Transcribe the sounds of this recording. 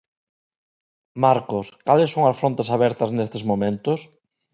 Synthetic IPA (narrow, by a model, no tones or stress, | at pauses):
maɾkoskalɪsːoŋɐsfɾõnt̪asaβɛɾt̪ɐznest̪ezmomẽnt̪ʊs